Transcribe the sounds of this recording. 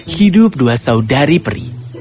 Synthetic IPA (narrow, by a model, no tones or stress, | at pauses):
hidʊp̚duasaudaɾipəɾḭ